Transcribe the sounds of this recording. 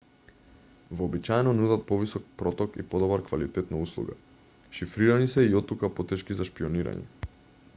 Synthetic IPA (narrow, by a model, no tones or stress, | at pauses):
vɔːbit͡ʃaɛnɔnud̪at̪̚pɔvisɔk̚pɾɔt̪ɔkḭpɔd̪ɔbaɾkvalit̪ɛt̪nauslˠṵɡa̰ | ʃifɾiɾanisɛiɔt̪ːukapɔt̪ɛʃkizaʃpiɔniɾa̰ɲɛ̰